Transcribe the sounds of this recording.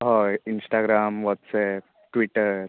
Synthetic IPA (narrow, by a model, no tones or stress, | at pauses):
ɦɔinsʈaɡɾaːmʋɔt̪sɛp̚ | ʈʋiʈəɾ